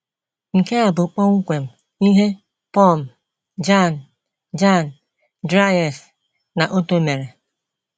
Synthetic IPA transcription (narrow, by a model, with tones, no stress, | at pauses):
ŋ̩˨ke˦a˨bʊ˨k͡pɔ˦ŋ̩˦kʷe˨m̩˨ | i˦ɦe˦ | pɔ˦˨m̩˨ | d͡ʒa˦˨n | d͡ʒa˦˨n˨ | dɾa˦jɔ˨s | na˨ʔo˦to˦me˨ɾe˨